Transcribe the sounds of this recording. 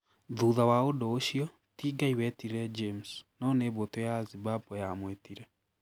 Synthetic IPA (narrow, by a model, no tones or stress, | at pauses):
ðuðawaodɔoɕiɔ | tiːɡaiwɛtiɾɛd͡ʒemsnɔneβotojazibapɔjamwetiɾɛ